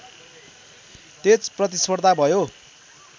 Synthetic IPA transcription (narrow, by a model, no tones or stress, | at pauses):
t̪et͡sprʌt̪̬ispʌrd̪ʱabʱʌjo